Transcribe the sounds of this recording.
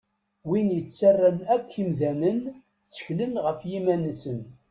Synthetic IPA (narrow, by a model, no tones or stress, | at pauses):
winjət͡sːərːənækʷːimðænən | t͡sːə̥çlənʁəfjimænːsən